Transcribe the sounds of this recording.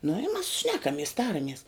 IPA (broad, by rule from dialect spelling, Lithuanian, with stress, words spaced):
nʊ ɪ mɐs ˈʃʲnʲæːkɐmʲiɛs ˈtɑːrɐmʲiɛs